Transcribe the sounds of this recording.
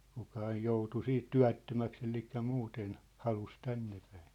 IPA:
kukɑ ɑij joutu siːt tyæ̝tːømæks elikːæ muːten hɑlus tænːepæ̥i̥n̥

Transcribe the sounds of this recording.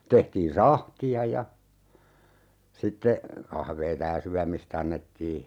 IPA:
tehtiːn sɑhtiɑ jɑ sitːe kɑhʋeːtɑ jɑ syæmist ɑnːetːiː

